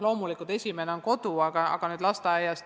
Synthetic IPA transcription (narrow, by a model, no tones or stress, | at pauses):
lo̞ːmulikːˑult̪e̞sʲime̞neo̞nko̞d̪uɑɡ̥ɑɑ̰ɡ̥ɑnyːd̪lɑst̪ɑæjɑs